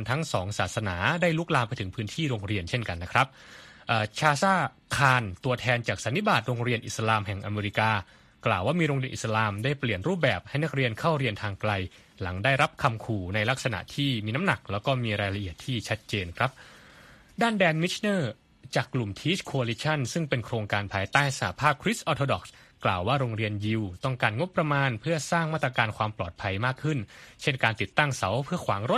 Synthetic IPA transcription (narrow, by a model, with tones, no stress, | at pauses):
nt̪ʰa˦˥ŋsɔː˩˦ŋsaː˨˩t̪̚sa˧naː˩˦daː˥˩jlu˦˥k̚laː˧mpa˧jt̪ʰɯ˩˦ŋpʰɯː˦˥nt̪ʰiː˥˩ɾo˧ŋɾi˧ənt͡ɕʰe˥˩nka˧nːa˦˥kʰɾa˦˥p̚ʔaː˨˩t͡ɕʰaː˧saː˥˩ | kʰaː˧nt̪u˧ɐt̪ʰɛː˧nt͡ɕaː˨˩k̚sa˩˦nːi˦˥baː˨˩t̪̚ɾoː˧ŋɾi˧ənʔi˨˩sa˧laː˧mɦɛ˨˩ŋʔa˧meː˧ɾi˦˥kaː˧ | klaː˨˩waː˥˩miː˧ɾo˧ŋɾi˧ənʔḭ˨˩sa˧laː˧mdaː˥˩jpli˨˩ənɾuː˥˩p̚bɛː˨˩p̚ha˥˩jna˦˥k̚ɾi˧ənkʰa˥˩wɾi˧ənt̪ʰaː˧ŋkla˧j | la˩˦ŋdaː˥˩jɾa˦˥p̚kʰa˧mkʰuː˨˩na˧jla˦˥k̚sa˧na̰˨˩ʔt̪ʰiː˥˩miː˧na˦˥mna˨˩k̚lɛː˦˥wkɔː˥˩miː˧ɾaː˧jla˧ʔi˨˩ət̪ʰːiː˥˩t͡ɕʰa˦˥t̪̚t͡ɕeː˧nkʰɾa˦˥p̚ | daː˥˩ndɛː˧nmi˦˥t͡ɕʰnɤː˥˩ | t͡ɕaː˨˩kːlu˨˩mt̪ʰiː˦˥t͡ɕkʰo˧a˧liː˦˥t͡ɕʰa˥˩nsɯ˥˩ŋpe˧nkʰɾoː˧ŋkaː˧npʰaː˧jt̪aː˥˩jsa˧ha˧˦pʰaː˥˩p̚kʰɾi˦˥sʔɔː˧˥t̪ʰoː˧dɔ˨˩k̚s | klaː˨˩waː˥˩ɾoː˧ŋɾi˧ənji˧wt̪ɔ˥˩ŋkaː˧nŋo˦˥pːɾa˧maː˧npʰɯ˥˩ɐsaː˥˩ŋmaː˥˩t̪ːɾa˧kaː˧nkʰwaː˧mplɔ̰ː˨˩t̪̚pʰa˧jmaː˥˩kʰːɯ˥˩nt͡ɕʰe˥˩nkaː˧nt̪i˨˩t̪ːa˥˩ŋsa˩˦wpʰɯ˥˩ɐkʰwaː˩˦ŋɾo˦˥t̪̚